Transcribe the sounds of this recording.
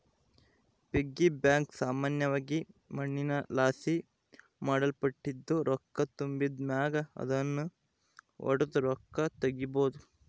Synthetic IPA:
peɡːibjaːŋksaːmaːnjɐʋaːɡimɐɳːinɐlaːsi | maːɽɐlpɐʈːid̪ːuɾɔkːɐt̪umbid̪mjaːɡɐɐ̰d̪ɐnːu | ɔ̰ɽud̪uɾɔkːɐt̪ɐɡiboːd̪u

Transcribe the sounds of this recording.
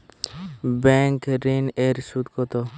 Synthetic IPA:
bɛŋkɾineɾsud̪kɔt̪ɔ

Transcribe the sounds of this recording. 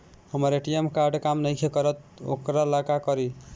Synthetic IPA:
hʌmʌɾeʈijemkaɾɖkamnʌjkʰekʌɾʌt̪̚o̰kɾalakakʌɾi

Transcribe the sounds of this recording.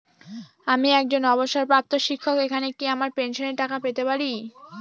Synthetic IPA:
amiɛk̚d͡ʑonɔβoʃːaɾpɾap̚t̪oʃikʰːokekʰanekiamaɾpenʃoneɾʈakapet̪epaɾi

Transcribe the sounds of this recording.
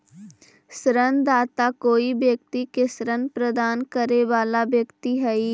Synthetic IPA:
sɾənd̪aːt̪akoːibjək̚t̪ikesɾənpɾəd̪aːnkəɾeʋaːlabjəkt̪iɦɛi

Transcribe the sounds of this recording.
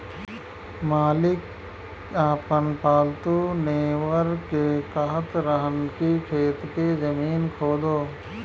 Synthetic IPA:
maːlɪk | aːpənpaːlt̪uneːwəɾkekəɦət̪ɾəɦənkikʰeːt̪kezəmiːnkʰoːd̪oː

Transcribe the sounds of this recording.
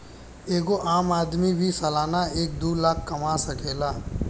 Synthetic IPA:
eːɡoʔaːmaːd̪mibʱisəlaːnaeːk̚d̪uːlaːkʰːɐmasɐkeːlaː

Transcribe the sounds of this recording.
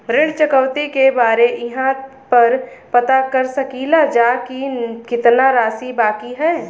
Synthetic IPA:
ɾeːɽt͡ʃəkəwt̪ikebaːɾeʔɪɦã | pɐɾpɐt̪akɐɾsɐkilad͡ʒakikɪt̪naɾaːsibaːkiɦɛː

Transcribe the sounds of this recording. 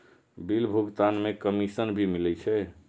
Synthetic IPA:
bilbʱuɡt̪anmekəmisənbʱimilɛt͡ʃʰɛ

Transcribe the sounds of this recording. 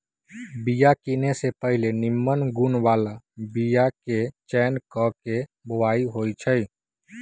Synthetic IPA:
bijakinesepəɦɪlenɪmːənɡunʋala | bijaket͡ʃɛnkɔkeboʋaːiɦojt͡ʃʰəj

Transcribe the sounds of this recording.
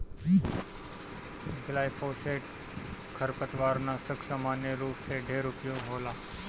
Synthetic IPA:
ɪɡlaːjfoːseːʈ | kʰəɾpət̪ʋaːɾnaːsəkʰsamaːnjeɾuːpseːɖʱeːɾʊpjõɦoːlaː

